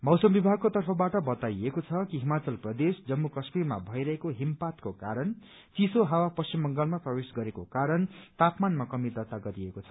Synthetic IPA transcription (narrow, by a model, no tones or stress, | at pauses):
mʌwsʌmbibʱaɡ̚kot̪ʌrpʰʌbaʈʌbʌt̪ajekot͡sʰʌkiɦimat͡sʌlprʌd̪esd͡zʌmːukʌsmirma̰bʱʌjɾʌɦekoɦimpat̪kokaɾʌn | t͡sisoɦawapʌst͡ɕimbʌŋɡʌlmaprʌwesɡʌɾekokaɾʌnt̪apmanmakʌmid̪ʌt̪aɡʌɾiekot͡sʰʌ̥